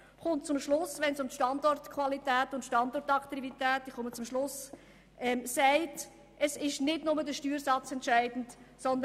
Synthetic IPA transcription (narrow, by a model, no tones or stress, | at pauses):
χʊntt͡sʊmʃlʊsʋɛnsʊmtʃtɑndɔrtkʰvɑlitæːtʊntʃtɑndɔrtɑkt̪ivitæːtiχʊmət͡sʊmʃlʊs | ʔɛmsæɪt | əsɪʃnɪdnʊmədəʃtyːɾsɑt͡sɛntʃæɪd̥n̩t | sɔnd̪ə